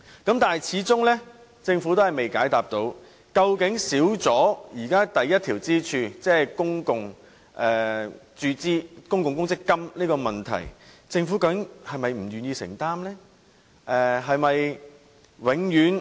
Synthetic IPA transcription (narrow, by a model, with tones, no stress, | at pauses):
kɐ˨˥mt̪aː˨nɦjt͡sʰiː˨˥t͡sʊ˥ŋlɛː˥ | t͡sɪ˧ŋfu˨˥t̪o˥ɦɐ˨jme˨jkaː˨˥jt̪aː˨p̚t̪o˧˥w | kɐ˧wkɪ˨˥ŋsiː˨˥wt͡sɔː˨˥jiː˨˩kaː˥t̪ɐ˨jɐ˥t̪̚ʰiː˨˩wt͡siː˥t͡ʃʰyː˧t͡sɛː˥kʊ˥ŋkʊ˨ŋ | ʔɛː˨˩t͡syː˧t͡siː˥kʊ˥ŋkʊ˨ŋkʊ˥ŋt͡sɪ˥kːɐ˥mliː˥kɔː˧mɐ˨nt̪ʰɐ̰˨˩jt͡sɪ˧ŋfu˨˥kɐ˧kɪ˥˨˥ŋhɐ˨jmɐ˨jm̩˨˩ɥyː˨njiː˧sɪ̰˨˩ŋt̪aː˥mlɛː˥ | ʔɛ˨˩ɦɐ˨˧jmɐ˨j | wɪ˨˥ŋjyː˨˥n